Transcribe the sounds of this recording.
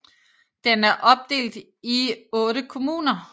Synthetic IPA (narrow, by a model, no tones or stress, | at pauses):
d̥enæɐʔɒ̽b̥̚d̥e̝̰ːld̥ | iɔ̽ːɾəkʰo̝muːnɐ